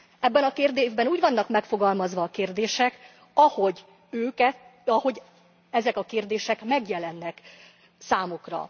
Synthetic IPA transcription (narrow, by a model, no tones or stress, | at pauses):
ɛbːɛnɒkeːrd̪eːʒbɛnuːɟʋɒnːɒkmɛkfo̞ɡɒlmɒzʋɒːkeːrd̪eːʃɛk | ɒho̞ɟ | øːkɛt̪ɒho̞ɟ | ɛzɛkɒkeːrd̪eːʃɛkmɛɡjɛlɛnːɛk | saːmukrɒ̰